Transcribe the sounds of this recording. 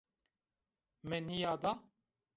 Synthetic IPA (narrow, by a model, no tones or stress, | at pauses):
mɛnijaːd̪a